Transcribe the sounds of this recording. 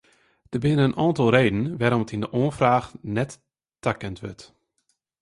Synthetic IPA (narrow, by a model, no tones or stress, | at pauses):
d̥əbɪnənənʔɔːntɔlˠreːdn̩ʋɛɾɔmətindəʔoənfraːxnɛtː | akəntʋørt